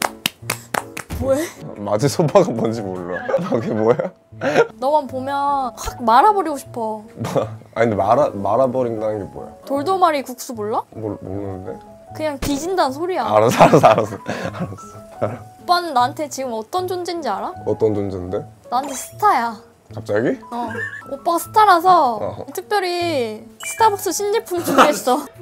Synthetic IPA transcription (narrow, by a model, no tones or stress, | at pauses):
moemad͡ʑisʰopʰaɡabʌnd͡ʑimoɭːakeboja | nʌmanpomjʌnhak̚maɾabʌɾiɡoɕʰi̥pʰʌ | a̰indemaɾamaɾabʌɾindanɯnɡe̞bo̰ḛjotoɭdomaɾikuk̚s͈umoɭːamomo̰nɯnnde̞̰ | kɯɲaŋkid͡ʑindansʰoɾiaaɾasaɾs͈aɾas͈ʌaɾas͈ʌop͈anɯnːantʰe̞t͡ɕiɡɯmʌt͈ʌnd͡ʑond͡ʑind͡ʑiaɾaʌt͈ʌnd͡ʑond͡ʑennde̞ | nantʰe̞sʰɯ̥tʰaja | kap̚t͡ɕ͈aɡiʌop͈aɡasʰɯ̥tʰaɾasʰʌtʰɯk̚p͈jʌɾisʰɯ̥tʰabʌk̚s͈ɯɕʰind͡ʑipʰumd͡ʑʰoes͈ʌ